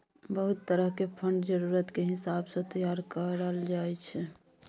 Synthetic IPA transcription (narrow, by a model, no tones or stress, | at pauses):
bəɦut̪ːəɾəɦkepʰəɳɖd͡ʒəɾuɾət̪keɦɪsabsə̃t̪əjaɾkəɾəld͡ʒaɛt͡ʃʰɛ